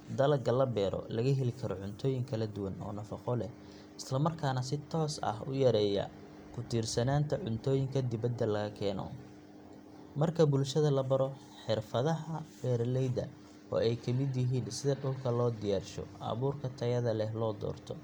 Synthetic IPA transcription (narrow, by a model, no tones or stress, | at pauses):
d̪ɐlɐɡɐlɐbɛːɾɔ̰lɐɣɐɦɛlɪkʰɐɾɔʕʊnt̪ʰɔːjɪŋkʰɐlɐd̪ʊwɐnɔ̰ːnɐfɑqɔlɛh | ɪslɐmɐrkʰaːnɐs̬ɪt̪ʰɔːsɐ̰ɦʊjɐɾɛːjɐ̰ | kʰʊt̪ʰiːrsɐnaːnt̪ʰɐʕʊnt̪ʰɔːjɪŋkʰɐd̪ɪβɐd̪ːɐlɐɣɐkʰɛːnɔ̰ | mɐrkʰɐbʊlʃɐðɐlɐbɐɾɔ | ħɪrfɐðɐɦɐb̥ɛːɾlɛjd̪ɐ̰ | ɔ̰ːɛjkʰɐmɪd̪jɪɦiːnsɪðɐɖʊlkʰɐlɔːd̪ɪjaːrʃɔ̰ʔɐ̰βuːrkʰɐt̪ʰɐjɐðɐlɛhlɔːd̪ɔ̰ːrt̪ʰɔ